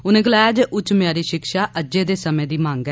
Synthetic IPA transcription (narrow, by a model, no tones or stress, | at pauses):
ʊnẽːɡəlaːjaːd͡ʒeːʔʊt͡ʃmjaːɾiːʃɪkʃaːʔəd͡ʒeːd̪eːsəmẽːd̪iːmãːŋɡɛː